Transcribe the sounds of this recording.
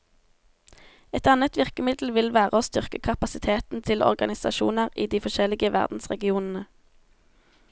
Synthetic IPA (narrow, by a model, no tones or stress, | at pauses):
ɛt̪ɑnət̪ʋɪʁkəmɪd̪l̩ʋɪlʋæːʁəoːst̪ʏʁkəkʰɑpɑsɪt̪ʰeːt̪n̩t̪ʰɪlɔ̰ʁɡɑnɪsɑ̰ʃṵːnəʁiːd̪iːfɔʃɛlɪɡəʋæ̰ʁd̪n̩sʁɛɡɪuːnn̩ə